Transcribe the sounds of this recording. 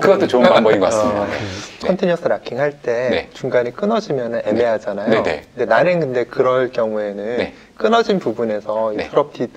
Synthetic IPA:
kɯɡʌtʰot͡ɕoambʌinɡʌkasmiekʰʌntʰiɲjʌs͈ʰɯɾakʰiŋɦaɭt͈e̞et͡ɕuŋɡaɲik͈ɯnʌd͡ʑimjʌnɯne̞me̞ɦad͡ʑanajoenḛkɯndenaɾɯnkɯnde̞kɯɾʌɭkjʌŋue̞nɯne | k͈ɯnʌd͡ʑinpubune̞sʰʌipʰɯɾʌp̚tʰi

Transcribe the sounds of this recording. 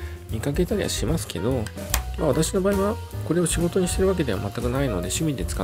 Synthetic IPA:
mʲikake̞t̪aɾʲḭβa̰ɕimasɨ̥kʰe̞̰d̪o̞maβat̪aɕino̞baːiβako̞ɾe̞o̞ɕiɡo̞t̪o̞ɲ̟iɕi̥t̪e̞ɾɯ̟βak̬e̞d̪e̞a̰mat̪ːakɯ̟naino̞d̪e̞ɕɨmʲid̪e̞t͡sɨ̥ka

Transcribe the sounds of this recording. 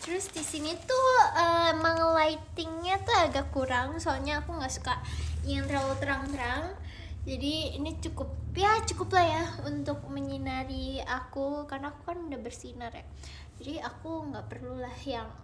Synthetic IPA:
t̪əɾʊsdisinit̪uəməŋlait̪ɪŋɲat̪uaɡaʔkuɾaŋsoalɲaːkuŋɡaʔsu̥kaʔjaŋnt̪ɾaut̪əɾaŋt̪əɾaŋ | d͡ʒadiːnit͡ʃukʊp̚jat͡ʃukʊplahjaunt̪ʊk̚məɲinaɾiakukarnaːkukanudahbərsinarja̰ | d͡ʒadiakuŋɡaʔpərlulahjaŋ

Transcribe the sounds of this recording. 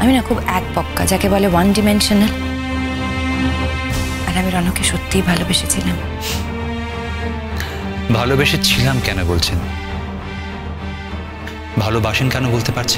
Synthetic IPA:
aminakʰubɛk̚pɔkːad͡ʑakebɔlewanɖimenʃonel | aɾamiɾɔnekːeʃot̪ːijbʱalobeʃet͡ɕʰilam | bʱalobeʃet͡ɕʰilamkɛnobolt͡ɕʰen | bʱalobaʃenkɛnobolt̪epaɾt͡ɕʰe̥

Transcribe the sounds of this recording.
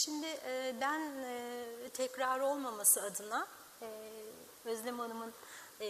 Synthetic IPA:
ʃimd̪ɪʔːbænː | t̪ʰɛcɾaːɾo̞lˠmamasɯad̪ɯna | øzlʲɛmanˠɯmɯn

